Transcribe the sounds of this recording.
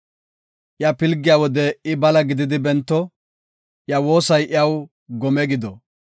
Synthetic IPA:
ʔjɐpɪlɡːɪjawɔd̪ɛɪbɐlɐɡɪd̪ɪd̪ɪbɛnt̪ːɔ | ʔjɐwo̞ːsɐjʔɪɐw | ɡɔmɛɡɪd̪ɔ

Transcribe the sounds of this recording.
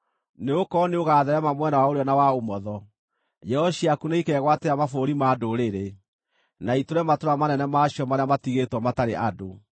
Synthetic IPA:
neokɔneoɣaːðɛɾɛmamwɛnawaoɾeɔnawaomɔðɔ | jɛɔɕiakuneikɛɣwateɾamafoɾimadoɾeɾe | naitoɾɛmatoɾamanɛnɛmaɕiɔmaɾeamatiɣetwɔmataɾeʔado

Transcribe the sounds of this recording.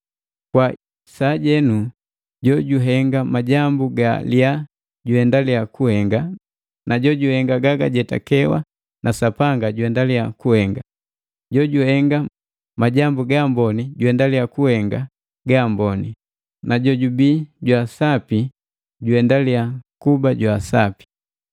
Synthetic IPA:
kwa | saɟɛnu | ɟɔɟuɦɛŋɡamaɟambuɡa̰lia | ɟuhɛndalijakuhɛŋɡa | naɟɔɟuhɛŋɡaɡaɡaɟɛta̰kɛwa̰ | nʔasapaŋɡaɟuɛndalijakuhɛŋɡa | ɟɔɟuhɛŋɡa | maɟambuɡambɔniɟuhɛndalijakuhɛŋɡa | ɡambɔnḭ | nʔaɟɔɟubiːɟwasapi | ɟuhɛndalijakubaɟwasapi̥

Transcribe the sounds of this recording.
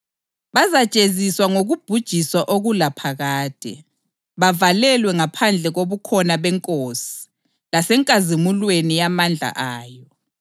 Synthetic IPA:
βazat͡ʃʼeziswaŋoɣub̥ʱud̥ʒ̥ʱiswaʔoɣulapʰaɣaːd̥ʱɛ̰ | βavalɛlwɛŋapʰand͡ɮʱɛɣoβukʰɔnaβɛŋkʼoːsi̥ | lasɛŋkʼazimulwenijamand͡ɮʱa̰ʔaːjɔ

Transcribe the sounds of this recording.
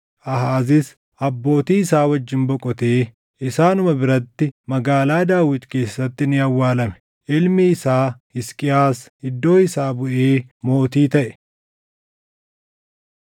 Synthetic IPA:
ʔɐɦaːzɪs | ʔɐbːo̞ːt̪iːɪsaːwɐd͡ʒːɪnbɔkʼɔt̪eː | ʔɪsaːnʊmɐbɪɾɐt̪ːɪmɐɡaːlaːd̪aːwɪt̪ke̞ːsːɐt̪ːɪnɪɐwːaːlɐmɛ̥ | ʔɪlmɪɪsaː | ɪskʼɪjaːshɪd̪ːo̞ːɪsaːbʊʔeːmo̞ːt̪iːt̪ɐʔɛ̥

